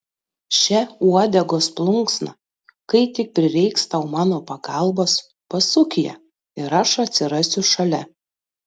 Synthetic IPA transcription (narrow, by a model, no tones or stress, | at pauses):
ʃʲɛuɔd̪ʲɛɡoːsplˠʊŋksnɐ | kɐɪt̪ʲɪk̚pʲɾʲɪɾʲɛɪkst̪ɐʊmɑːnoːpɐɡɑˑlˠbɐs | pɐsʊkʲɪjɛ̰ | ɪɾɐʃɐt̪ʲsʲɪɾɐsʲʊʃɐlʲɛ